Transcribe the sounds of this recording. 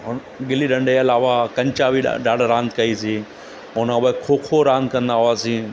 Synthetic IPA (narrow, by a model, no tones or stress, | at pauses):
ɦʊn | ɡɪliɗɐ̃ɳɖeɐlaːʋakɐ̃ɲt͡ɕaʋḭɗaːɽɾãːnd̪kɐisiː | ɦʊnbəkʰoːkʰoɾãːnd̪kɐ̃nd̪aɦʊaːsĩː